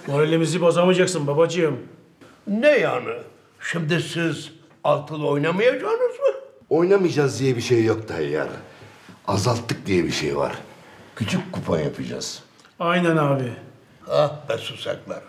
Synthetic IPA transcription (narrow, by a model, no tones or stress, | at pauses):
molʲemizibazamɯd͡ʒaksɯnbabad͡ʒɯjɯm | nejanɯ | ʃimd̪isiz | alˠt̪ʰɯlˠojnamajad͡ʒaːnɯzmɯ | o̞jnamɯd͡ʒazd̪ijɛbiʃejːok̚t̪ʰaɦɛ̰jæ̰ɾ | azalˠt̪ʰːɯk̚d̪ijɛbiʃḛjva̰ɾ̥kʰyt͡ʃʰykʲkːupʰajapʰɯd͡ʒa̰z̥ | ajnænaːbi | abɛsusa̰klˠaɾ